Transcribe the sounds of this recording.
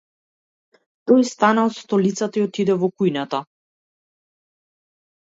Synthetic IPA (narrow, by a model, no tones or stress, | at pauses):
t̪ɔjst̪anaɔt̪st̪ɔlit̪sat̪aiɔt̪id̪ɛvɔkujnat̪a